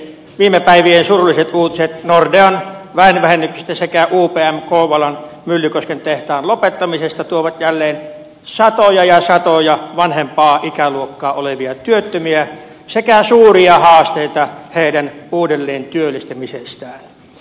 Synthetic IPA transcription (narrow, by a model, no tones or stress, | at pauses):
ʋiːmepæiʋiensurulːiset̪ʔuːt̪iset̪nordeɑnʋæenʋæhenːyksist̪æsekæʔuːpeːæmkoːʋɑlɑn | mylːykoskent̪eht̪ɑːnlopet̪ːɑmisest̪ɑt̪uoʋɑt̪jælːeːn | sɑt̪ojɑjɑsɑt̪ojɑʋɑnhempɑːʔikæluokːɑːoleʋiɑt̪yøt̪ːømiæ | sekæsuːriɑhɑːst̪eˑit̪ɑheˑidænuːdelːeːnt̪yølːˑist̪emisest̪æːn